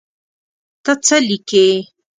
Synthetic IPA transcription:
t̪at͡salɪkeː

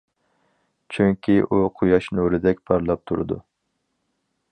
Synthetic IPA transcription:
t͡ʃʰyŋkʲʰiʔuqʰujɑʃnuɾɨd̪ɛkʲpʰɑɾlˠɑp̚t̪ʰuɾɨ̰d̪ṵ

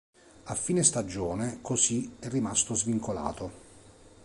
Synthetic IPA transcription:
afːiːnest̪ad͡ʒːɔːnekosiɛrːimast̪ozviŋkola̰ːt̪o

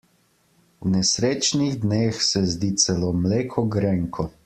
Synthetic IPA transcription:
wnɛsɾeːt͡ʃniɣd̪neːxsɛzd̪it̪sɛlomleːkʰɔɡɾɛŋkʰɔ

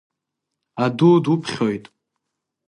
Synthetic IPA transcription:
adudupʰχʲo̞jtʼ

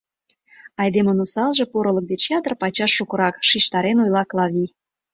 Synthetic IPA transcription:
ɑjd̪emənusɑlʒĕpoɾə̆lək̚d̪et͡ɕjɑt̪ərpɑt͡ɕɑʃːukə̆ɾɑkʃiʃt̪ɑɾenojlɑklˠɑβʲi

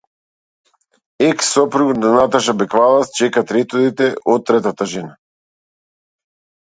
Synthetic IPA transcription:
ɛksːɔpɾuɡnanat̪aʃabɛkvalˠast͡ʃɛkat̪ɾɛt̪ɔd̪it̪ɛʔɔt̪̚t̪ːɾɛt̪at̪aʒɛna

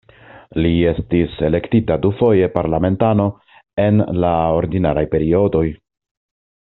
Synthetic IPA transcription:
lie̞stise̞le̞ktitadufo̞je̞paɾlame̞ntano̞ | e̞nlao̞ɾdinaɾajpe̞ɾio̞do̞j

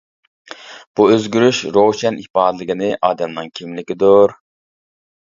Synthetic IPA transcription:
b̥uøzɡʲyɾyʃɾoʃɛnʔihpɑːd̪lˠɪɡʲinɪʔɑːd̪ɛmnɨŋkʲʰimlɪkʲid̪uɾ

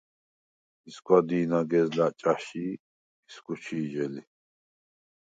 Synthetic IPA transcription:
iskʼad̪iːnaɡɛzlat͡ʃʼaʃiː | skʼut͡ʃʰiːd͡ʒɛli

